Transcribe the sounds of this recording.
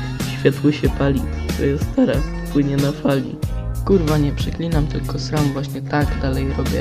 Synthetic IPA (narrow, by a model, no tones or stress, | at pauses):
ɕfʲjat̪wɘɕɛpalʲiɛ̰just̪ɛɾas | pwɘɲɛnafalʲḭkuɾvaɲɛpʂɘklʲinamt̪ɘlkɔsɾamvwaɕɲɛt̪aɡd̪alɛjɾɔbʲjɛ̰